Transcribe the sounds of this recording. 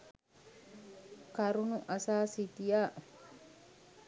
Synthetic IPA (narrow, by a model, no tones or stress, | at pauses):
kaɾunuʔasasitija